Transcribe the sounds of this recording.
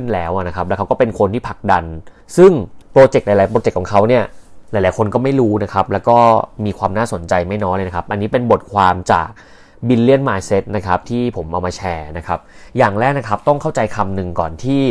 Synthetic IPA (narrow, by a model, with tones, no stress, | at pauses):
ɯ˥˩nlɛː˦˥wʔa˨˩na˦˥kʰa˦˥p̚lːkʰa˦˥wkɔ˥˩pe˧nkʰo˧nt̪ʰiː˥˩pʰa˨˩k̚da˧n | sɯ˥˩ŋpɾoː˧t͡ɕe˨˩k̚la˨˦la˨˦pɾoː˧t͡ɕe˨˩kʰːɔ˩˦kʰa˦˥wni˥˩ɐla˨˩˦jlaː˨˦jkʰo˧nkɔː˥˩ma˥˩jɾuː˦˥na˦˥kʰa˦˥p̚lɛː˦˥wkɔː˥˩miː˧kʰwaː˧mnaː˥˩so˨˩˦nt͡ɕa˧jma˥˩jnɔː˦˥jlɤ˧jna˦˥kʰa˦˥p̚ʔa˧nːiː˦˥pe˧nbo˨˩t̪̚kʰwaː˧mt͡ɕa̰ː˨˩k̚ | bi˧nli˥˩ənmaː˧jse˦˥t̪̚na˦˥kʰa˦˥p̚t̪ʰiː˥˩pʰo˩˦mʔa˧wmaː˧t͡ɕʰɛː˧na˦˥kʰa˦˥p̚jaː˨˩ŋlɛː˦˥k̚na˦˥kʰa˦˥p̚t̪ɔ˥˩ŋkʰa˥˩wt͡ɕa˧jkʰa˧mnɯ˨˩ŋkɔ̰ː˨˩nt̪ʰiː˥˩